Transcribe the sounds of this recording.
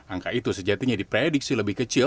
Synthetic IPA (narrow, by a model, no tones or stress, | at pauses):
aŋkaʔit̪usəd͡ʒat̪iɲadipɾedik̚siləbɪhkət͡ʃɪ